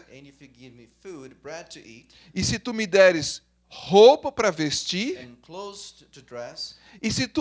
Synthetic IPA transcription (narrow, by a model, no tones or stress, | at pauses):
ɨ̃njɨfiɡɪvmifud̚bɹɛd̚tʰɨʔit | ɪsɪt̪umɪd̪ɛɾɪs | howpɐpɾɐvest͡ʃiɾɨ̃nkʰl̥oʊz̥ | tʰɨdɹɛs | ɪsɪt̪u